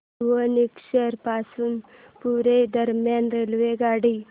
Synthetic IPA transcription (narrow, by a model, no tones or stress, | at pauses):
wənikʃeɾpaːsun | puɾeɖɐɾmjaːnɾelʋeɡaːɽi